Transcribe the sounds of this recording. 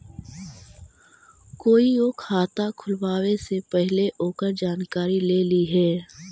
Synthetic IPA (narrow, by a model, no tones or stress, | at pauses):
koːioːkʰaːt̪akʰʊlwaːwesepɛɦleʔoːkəɾd͡ʒaːnkaːɾileːliɦɛː